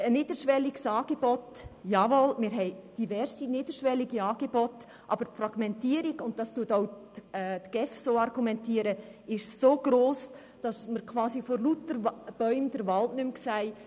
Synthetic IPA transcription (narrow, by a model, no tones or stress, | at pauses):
əniːd̥əɾʃʋɛliɡsɑːɡ̥ebɔtjɑːʋolmɪːɾɦɛɪd̥ivɛɾsiniːd̥əɾʃʋɛliɡiɑːɡ̥ebɔt | ʔɑ̰bəɾfɾɑɡmɛntiːəɾiɡʊnt̚tɑstuətɔʊːtɡ̥ɛfsoːɑrɡumɛntiːɾəɪʃsoːɡ̥ɾoːs | d̥ɑsməɾkʰʋɑːsifɔlutəɾb̥œʏmd̥əɾʋɑltnʏmksæɪ